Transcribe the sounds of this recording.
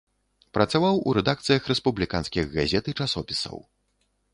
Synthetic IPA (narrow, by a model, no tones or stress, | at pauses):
pɾɐt̪savawṵɾɛd̪akt̪sɨjɐxɾɛspublʲikanskʲiɣɣazʲɛt̪ɨt͡ʂasɔpʲi̥sɐ̰w